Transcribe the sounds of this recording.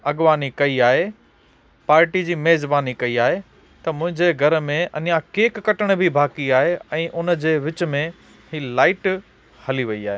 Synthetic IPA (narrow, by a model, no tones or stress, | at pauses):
ɐɠʋaːnikɐiaːɦe | paːɾʈid͡ʑiːmeːzbaːnikɐiaːɦe | t̪ɐmʊ̃ɦɪ̃ɲd͡ʑeɡʱɐɾmẽʔɐnijãkeːkːɐʈəɽ̃bʱibʱaːkiaːɦeɛ̃ːʔʊnd͡ʑeːʋɪt͡ɕ̆mẽ | hilaːɪʈ | hɐliʋɐiaːɦeː